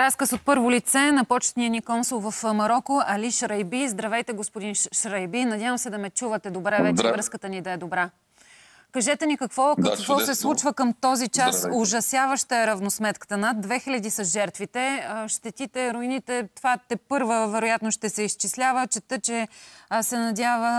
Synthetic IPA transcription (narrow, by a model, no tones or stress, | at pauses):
ɾaskəsot̪̚pɤɾvolit̪sɛnɐpɔt͡ʃt̪nijənikɔnsulˠvɐfmɐɾɔkoʔɐliʃɾɐjbizd̪ɾɐvɛjt̪ɛɡospʊd̪inʃɾɐjbinɐdʲjavəmsɛd̪ɐmɛt͡ʃuvət̪ɛd̪obɾɛvɛt͡ʃɛvɾɤskət̪ənid̪ɐɛd̪obɾa | kɐʒɛt̪ɛnikɐkvɔkɐvɔsɛslˠut͡ʃvəkəmt̪ɔzit͡ʃasoʒɐsjavəʃt̪əɛɾɐvnosmɛt̪kə̥t̪ənad̪ːvɛxilʲɐd̪isɐsʒɛɾt̪vit̪ɛʃt̪ɛt̪it̪ɛɾʊinit̪ɛt̪vat̪ɛpɤɾvəvɛɾojat̪noʃt̪ɛsɛist͡ʃislʲavət͡ʃɛt̪ɤt͡ʃɛsɛnɐd̪ʲjavə